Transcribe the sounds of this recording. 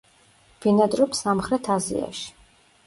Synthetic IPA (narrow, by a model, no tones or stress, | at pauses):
v̥inad̪ɾɔpsamχɾɛt̪ʰazḭa̰ʃi̥